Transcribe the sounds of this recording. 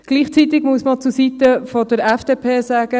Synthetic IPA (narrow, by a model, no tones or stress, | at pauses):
ɡ̥liːχt͡sit̪ɪɡmuəsmɑt͡susit̪əfɔd̥̪əɾɛfd̥eːpʰeːsaːɡ̥ə